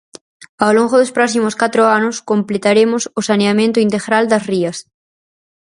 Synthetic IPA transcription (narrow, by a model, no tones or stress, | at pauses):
awloŋɡoðospɾɔsimʊskat̪ɾoanʊskomplet̪aɾemʊsʊsaneamẽnt̪ʊint̪eɣɾald̪ɐsriɐs